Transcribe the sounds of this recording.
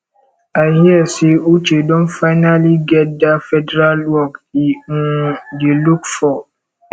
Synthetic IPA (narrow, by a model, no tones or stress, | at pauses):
ahiɛseut͡ʃedõnfaɪnaliɡɛt̚dafɛdɛɾalwɔkĩdelukfɔ